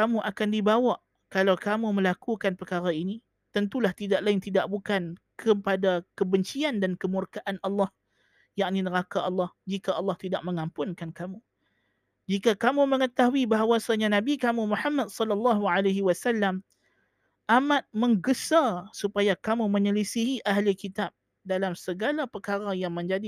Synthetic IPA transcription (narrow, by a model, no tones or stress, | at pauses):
kamũʔakandibawaʔ | kalawkamumə̃lakukanpərkaɾaini | t̪ənt̪ulaht̪idaʔlaɪnt̪idaʔ̚bukankʰəpadakəbəɲt͡ʃiandankəmurkaʔanɑlːɑh | jaʔninəɾakaʔɑlːɑhd͡ʒikaʔɑlːɑht̪idaʔ̚mə̃ŋampʊnkankamu | d͡ʒikakamũməŋət̪aɦuibaɦawasaɲanãbikamũmũħamːad̚sɔlɑlːɑɦuʕalaɦiwasalːam | ʔamãt̪̚mə̃ŋɡəsasupajakamumə̃ɲəlisiɦiʔaɦlikit̪ap̚ | dalamsəɡalapərkaɾajaŋmə̃ɲd͡ʒadi